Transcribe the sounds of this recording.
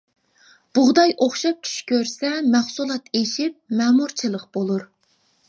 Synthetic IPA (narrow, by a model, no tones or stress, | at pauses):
b̥ʊʁd̪ɑjʔoχʃɑp̚t͡ʃʲʰy̥ʃkʲʰøɾsɛmæχsulˠɑt̪ʰeʃip̚mɛːmuɾt͡ʃʰɨlˠəqb̥olˠuɾ